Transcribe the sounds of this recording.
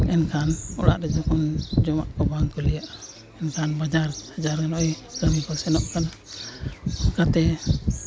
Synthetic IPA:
ɛnkanṵla̰ʔdad͡ʒakund͡ʒɔmaʔkabaŋkuliaʔ | ɛnkanbad͡ʒarad͡ʒarkanɔiɡamikɔsɛnɔʔkan | kat̪ɛ

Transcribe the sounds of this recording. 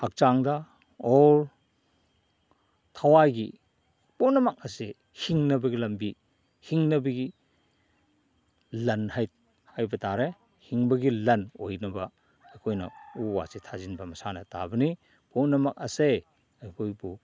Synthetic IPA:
hak̚t͡ʃaŋdɐ | ɔɾ | tʰawajɡi | punɐmak̚ɐse | hiŋnɐbɐɡilɐmbi | hiŋnɐbɐɡi | lɐnhaj | hajbɐtaɾe | hiŋbɐɡilɐnojnɐbɐ | ɐjkʰojnɐ̰uwa̰sitʰazinbɐmɐsanɐta̰bɐni | punɐmak̚ɐse | ajkʰojbu

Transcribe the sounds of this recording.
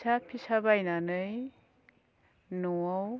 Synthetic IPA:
sapʰisabajnanɯj | nuaw

